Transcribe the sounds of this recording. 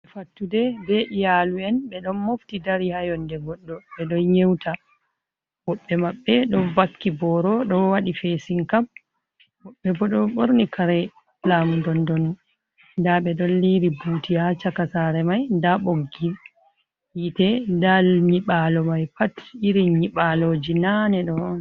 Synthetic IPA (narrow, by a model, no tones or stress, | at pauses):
ɓɛfatːudɛbɛʔijaluɛnɓɛɗɔnmoftidaɾihajɔndɛɡɔɗːɔɓɛɗɔnɲewtʰa | w̥ɔɓːɛmaɓːɛɗɔnvakːibɔɾɔɗɔwaɗifesiŋkam | wɔɓːɛbɔɗɔɓoɾnikʰaɾɛ | lamudɔndɔnu | ndaɓɛɗɔnliɾibutijat͡ʃakasaɾɛmajndaɓoɡːil | itɛndalɲiɓalɔmajpatiɾiɲiɓalod͡ʒinanɛɗɔn